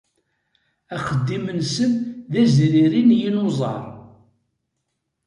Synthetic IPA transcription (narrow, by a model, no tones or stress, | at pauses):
æχəd̪ːimənsənðæzɾiɾinjinozˤɑ̰ɾˤ